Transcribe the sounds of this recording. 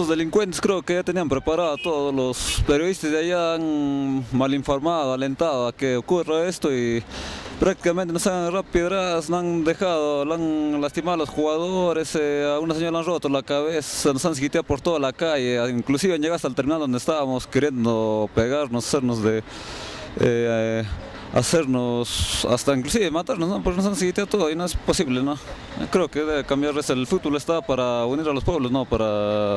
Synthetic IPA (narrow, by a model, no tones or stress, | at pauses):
ozd̪eliŋkwent̪e̥skɾeokejat̪eniampɾepaɾaðot̪oðolospeɾjoðist̪azd̪eajaanmaliɱfoɾmaðoalent̪aðoakeokuraest̪oi | pɾakt̪ikamẽnt̪enosanrapjeðɾaðsnand̪exaðolanlast̪imaðolosxuɣaðoɾesaɣunas̬eɲoɾaanrot̪olakaβesanosans̬ikit̪jaðopoɾt̪oðalakajeiŋklusiβeand͡ʒeɣaɾast̪alt̪eɾminald̪ond̪est̪aβamoskeɾjend̪opeɣaɾnosḁseɾnosd̪e | e | a̰seɾnosa̰st̪aiŋklusiβemat̪aɾnosnopeknos̬ans̬ikit̪jaðot̪oðoinoesposiβleno̰ | kɾeokeðeβekambjaɾeselfut̪̚bolest̪apaɾauniɾalospweβlosnopaɾa